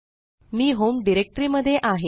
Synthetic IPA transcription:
miːɦomɖiɾek̚ʈɾiːməd̪ʱjeʔaɦe

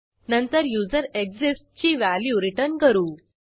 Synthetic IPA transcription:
nənt̪əɾjud͡zəɾekd͡zest͡ɕiːʋæljuɾiʈəɾɳkəɾuː

